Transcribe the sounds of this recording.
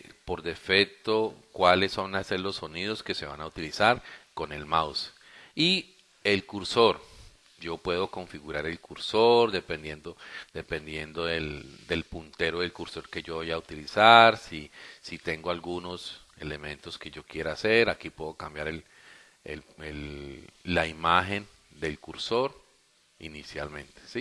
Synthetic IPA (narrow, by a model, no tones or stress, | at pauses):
po̞ɾd̪e̞fe̞k̚t̪o̞kwalesːo̞naseɾlo̞sːo̞nið̞o̞ske̞se̞βanaut̪ilisaɾko̞ne̞lmaws | i | e̞lkuɾso̞ɾ | d͡ʒo̞pwe̞ð̞o̞ko̞ɱfiɣuɾaɾe̞lkuɾsoɾd̪e̞pend̪je̞nd̪o̞d̪e̞pe̞nd̪je̞nd̪o̞ðeld̪e̞lpunt̪e̞ɾoðe̞lkuɾso̞ɾke̞ʝo̞βojaut̪ilisaɾsisit̪e̞ŋɡoalɡuno̞se̞le̞mẽ̞nt̪o̞ske̞ʝo̞kje̞ɾaase̞ɾakipwe̞ðo̞kambjaɾel | ḛlelː | aimaxe̞n | d̪e̞lkuɾso̞ɾ | inisjalmẽ̞nt̪e̥si